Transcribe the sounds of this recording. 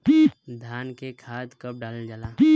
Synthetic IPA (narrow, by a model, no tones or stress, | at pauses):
tid̪ʱaːnkekʰaːd̪kəp̚ɖaːld͡ʒalai